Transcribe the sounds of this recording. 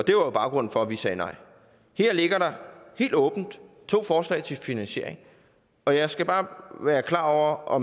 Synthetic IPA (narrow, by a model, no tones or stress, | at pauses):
ɒ̽d̥e̝ʋɑ̈jo̝b̥ɑ̈ʊɡ̥ʁɔ̽n̰̩fɒ̽ʋisɛːnɑ̈ɪ̰ | heɐ̰le̝ɡ̥ɐɾ̥ɑ̈he̝̰ːld̥ɔ̽ːb̥n̩d̥ | t͡sʰo̝̰ːfɒːslɛ̰ɪt͡sʰe̝lfinænɕe̝ɐ̰e̝ŋ | ɒ̽jɑ̈ɪsɡ̥æb̥ɑ̈ːʋæːɐkʰlɑ̰̈ːɒʊ̰ɐʔɒ̽m